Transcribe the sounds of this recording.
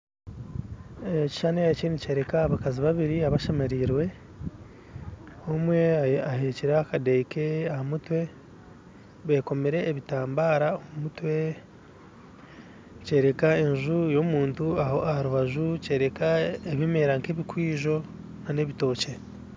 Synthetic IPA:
eci̥ʃaneacinice̞ːɾe̞kaaβakaziβaβiɾiaβaʃamaɾiːɾwe̞ | omwe̞aɦeciɾaakadejke̞ahamutwe̞ | βe̞ːko̞meɾe̞ːβitaːmbaːɾaoumutwe̞ | ce̞ːɾe̞kaeɲʒujo̞muːntuahoahaɾuβaʒuce̞ːɾe̞kaeβime̞ɾaŋkeβikwiːʒo̞ | nane̞βito̞ːce̞

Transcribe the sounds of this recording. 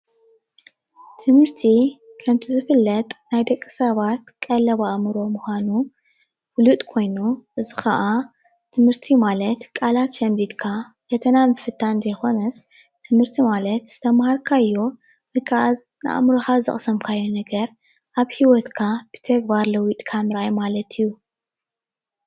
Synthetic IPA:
t̪ʰɨmhɨɾt̪ʰikʰɐmt̪ʰizɨfɨlːɐt̪ʼnajd̪ɐkʼːɨ̥sɐβat̪kʼɐlɐβaʔmɨɾo̞muxʷanu | wlut̪ʼkʰo̞jnuʔɨzixɐʔa | t̪ʰɨmhɨɾt̪ʰimalɐt̪kʼalat̪ʃɐmb̪id̪kʰa | fɐt̪ʰɐnamɨfɨt̪ʰːanzɐjxo̞nɐs | t̪ʰɨmhɨɾt̪ʰimalɐt̪z̥ɨt̪ʰɐmhaɾkʰajːo | nɨkʰaʔaz | nɨ̰ʔa̰mɾoxazɨ̰χʼsɐmkʰajːonɐɡɐɾ | ʔaβhiwɔt̪kʰab̥ɨ̥t̪ʰɐɡ̚baɾlɐwit̪ʼkʰamɨɾajmalɐt̪ʰɨjːu

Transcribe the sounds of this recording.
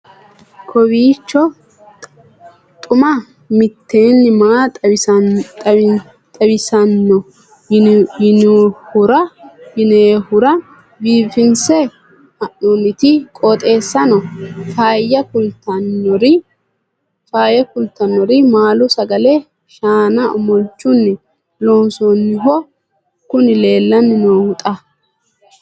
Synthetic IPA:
kʰɔwiːt͡ʃːɔ | t̪ʼʊmɐ | mɪt̪ːeːnːɪmaː | t̪ʼɐbɪsɐnːɔ | ɪnhʊɾɐhɪneːhʊɾɐ | biːfɪnsɛ | ɐʔɔnɪt̪ɪkʼɔt̪ʼe̞ːsːɐnɔfaːjːɐkʊlt̪ɐnːɔɾɪ | faːjɐkʊlt̪ɐnːɔɾɪmaːlʊsɐɡɐlɛ | ʃaːnɐɔmɔlt͡ʃʼːʊnːɪ | loːnsɔnːɪɦɔ | kʊnɪle̞ːlːɐnːɪnoːhʊt̪ʼɐ

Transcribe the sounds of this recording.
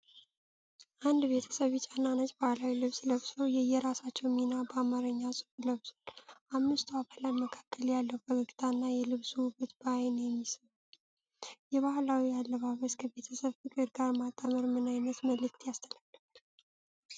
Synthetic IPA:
ʔand̪be̞t̪ʰə̥səβit͡ʃʼanːanat͡ʃʼbahlawilɨβsləβsowjɛjɛɾasat͡ʃːɛwminabəamaɾəɲːasʼɨfləβzalʔamːɨst̪ʰabʰalat̪məkʰḁkːəljalːəwbəɡəɡi̥t̪ʰanːajɛlɨβsubɨt̪bajnjɛmːisət̪ | jɛβahlawijalːəβaβəskʰəβe̞t̪ʰəsəβfɨkʼəɾɡaɾmat̪ʼːəməɾmɨnajnət̪məlɨkt̪ʰjast̪ʰəlaɡə

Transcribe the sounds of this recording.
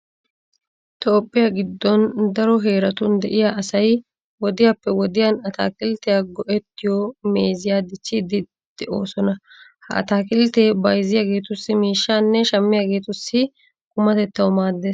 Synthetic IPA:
t̪o̞ːpʼːɪjaɡɪd̪ːɔnd̪ɐɾɔɦe̞ːɾɐt̪ʊnd̪ɛʔɪjaːʔɐsɐj | wɔd̪ɪjapːɛwɔd̪ɪjanɐt̪a̰ːkʼɪlt̪ɛjaɡɔʔɛt̪ːɪjɔme̞ːzɪjaːd̪ɪt͡ʃːɪd̪ɪ | d̪̥ɛʔo̞̰ːsɔnɐ | hɐɐ̰t̪aːkʼɪlt̪eːbɐjzɪjaːɡe̞ːt̪ʊsːɪmiːʃːaːnːɛʃɐmːɪjaːɡe̞ːt̪ʊsːɪ | kʼʊmɐt̪ɛt̪ːɐwmaːd̪ːeːs

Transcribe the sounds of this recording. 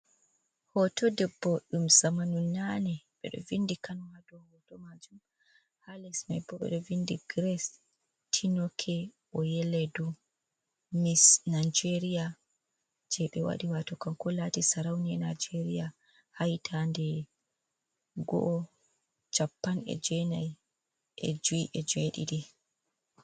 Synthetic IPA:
hɔtɔdɛbːɔɗumzamanunːanɛɓɛ̰ɗɔ̰vindikanɔhadɔhɔtɔmad͡ʒum | halɛsma̰jbɔɓɛ̰ɗɔvindiɡɾɛs | tʰinɔkʰɛ | ɔjɛlɛdu | misnajd͡ʒeɾija | d͡ʒɛɓɛwa̰ɗiwatɔkankɔlatisaɾawniɛnad͡ʒeɾija | hajtʰandɛ | ɡɔ̰ʔɔ | t͡ʃapːanɛ̰d͡ʒɛnaj | ʔɛ̰d͡ʒuiʔɛd͡ʒeɗḭɗi

